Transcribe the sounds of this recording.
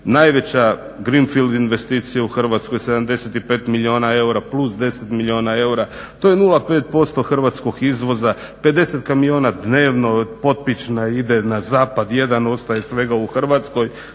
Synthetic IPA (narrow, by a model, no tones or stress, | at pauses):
najʋe̞t͡ɕa | ɡɾinfild̪inʋe̞st̪iːt̪sijauxr̩ʋat̪sko̞jse̞d̪amd̪e̞set̪ipe̞ːt̪milʲio̞ːnae̞uɾaplˠusd̪e̞set̪milʲio̞ːnae̞uɾa | t̪ojenulˠape̞ːt̪̚po̞st̪o̞xr̩ʋat̪sko̞ɡizʋo̞za | pe̞d̪e̞se̞t̪kamio̞ːnad̪ne̞ːʋno̞po̞t̪̚pit͡ʃnaid̪enazaːpad̪je̞d̪ano̞st̪aje̞sʋe̞ɡauxr̩ʋat̪sko̞j